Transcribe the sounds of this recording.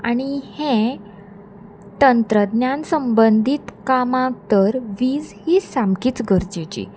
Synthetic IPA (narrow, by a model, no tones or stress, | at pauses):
aɽ̃ihẽ | t̪ənt̪ɾəd̪njansəmbənd̪ʱit̪kamãt̪əɾʋiːd͡zhiːsamkiːt͡sɡʱəɾd͡ʑet͡ɕḭ